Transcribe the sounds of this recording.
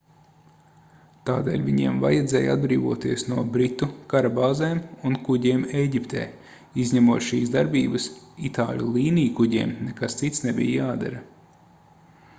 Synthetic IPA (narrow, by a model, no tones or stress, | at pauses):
t̪aːd̪ḛːlʲviɲiɛmva̰jɛd̪zɛːja̰d̪̚bɾiːvuɔt̪iɛsnuɔbɾit̪ukaɾabaːzɛːmunkuɟʲiɛːmejɟʲipt̪ʰɛ̰ː | izɲɛmuːt̪ʃiːsd̪aɾbʲiːbɐsit̪aːlʲṵlˠiːniːkuɟʲḭːmnɛkast̪sit̪snɛbʲḭjjaːd̪a̰ɾɐ